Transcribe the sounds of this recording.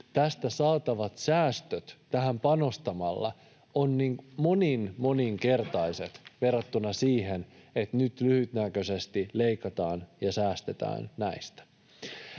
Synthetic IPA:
t̪æst̪æsɑːt̪ɑʋɑt̪sæːst̪øt̪t̪æhæmpɑno̞st̪ɑmɑlːɑ̰ | onːiŋmoninmo̞niŋke̞rt̪ɑise̞t̪ʋerːɑt̪ːunɑsiːɦenet̪nyt̪lyhyt̪nækøsest̪ileikɑt̪ɑːnjɑsæːst̪et̪æ̰ːnnæist̪æ̥

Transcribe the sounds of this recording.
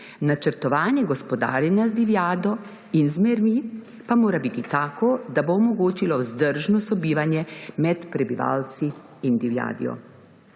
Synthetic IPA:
nat͡ʃəɾt̪ɔʋaːnjɛɡɔspɔd̪a̰ːɾjɛnjazd̪iʋjaːd̪ɔ | inzmɛɾmi | pamoːɾabit̪it̪aːkɔd̪aboɔmɔɡoːt͡ʃilɔwzd̪əɾʒnɔsɔbiːʋanjɛmɛt̪pɾɛbiʋa̰ːlt̪siː | nd̪iʋja̰ːd̪ḭjɔ̰

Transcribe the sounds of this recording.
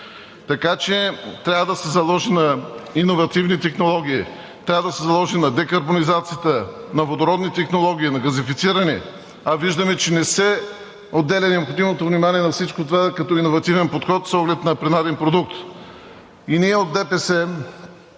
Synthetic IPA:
t̪ɐkat͡ʃɛt̪ɾʲavəd̪ɐsɛzɐlˠɔʒinɐinovɐt̪ivnit̪ɛxnolˠɔɡ̟ʲii | t̪ɾʲavəd̪ɐsɛzɐlˠɔʒinɐd̪ɛkɐɾbonizat̪sijət̪ənɐvod̪oɾɔd̪nit̪ɛxnolˠɔɡ̟iːnɐɡɐzifit̪siɾɐnɛ | ɐviʒd̪ɐmɛt͡ʃɛnɛsɛ | od̪ːɛlʲɛnɛopxod̪imot̪ovnimaniɛnɐfsit͡ʃkot̪ovakɐt̪ɔinovɐt̪ivɛnpot̪xɔt̪sɔɡlɛt̪nɐpɾɛnad̪ɛnpɾod̪uk̚t̪ | iniɛod̪̚ːɛpɛsɛ

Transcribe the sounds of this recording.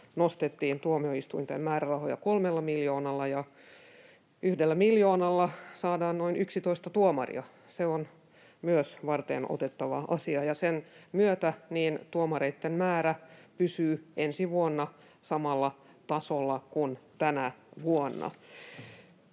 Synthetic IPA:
nost̪et̪ːiːnt̪uomioist̪uint̪emmæːrærɑhojɑkolmelːɑmiljoːnɑlːɑjɑ | ʔyhdelːæmiljoːnɑlːɑsɑːdɑːnnoinyksit̪oist̪ɑt̪uomɑ̰rḭɑ | seon | myøsʋɑrt̪ḛnʔo̰t̪et̪ːɑʋɑʔɑsiɑjɑsenmyøt̪æniːnt̪uomɑɾeit̪ːemmæːɾæpysyːʔensiʋuonːɑ | sɑmɑlːɑ | t̪ɑsolːɑkunt̪ænæʋuonːɑ̰

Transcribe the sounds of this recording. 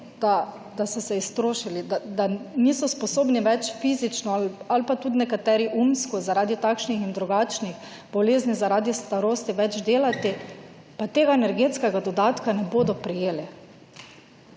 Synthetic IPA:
d̪a | d̪asɔsɛist̪ɾoːʃilid̪ad̪anisɔspɔsoːbniʋɛt͡ʃfiːzit͡ʃnɔalpat̪ud̪nɛkat̪ɛːɾiʔumskɔzaɾaːd̪it̪akʃnixind̪ɾuɡaːt͡ʃnix | bɔleːznizaɾaːd̪ist̪aɾoːst̪iʋɛd͡ʒd̪eːlat̪i | pat̪eːɡaenɛɾɡet̪skɛɡad̪ɔd̪aːt̪kanɛboːd̪ɔpɾijeːlɛ

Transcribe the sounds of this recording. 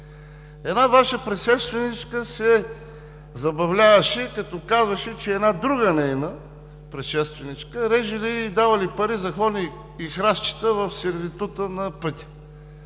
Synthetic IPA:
ɛd̪navaʃəpɾɛt̪ʃɛst̪vɛnit͡ʃkəsɛ | zɐbɐvlʲavəʃɛkɐt̪ɔkazvɐʃɛt͡ʃɛːd̪nad̪ɾuɡənɛjnə | pɾɛt̪ʃɛst̪vɛnit͡ʃkəɾɛʒiliːd̪avəlipɐɾizɐxɔniː | xɾaʃt͡ʃi̥t̪əvɐfsɛɾvʲit̪ut̪ənɐpɤt̪ʲi̥

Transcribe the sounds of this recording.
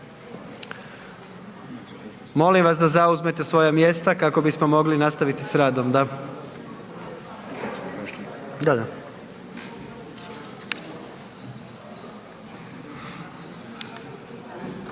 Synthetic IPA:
mo̞limʋas̬d̪azauzme̞t̪e̞sʋo̞jamje̞st̪akako̞bismo̞mo̞ɡlinast̪aʋit̪isɾaːd̪omd̪a | d̪ad̪a

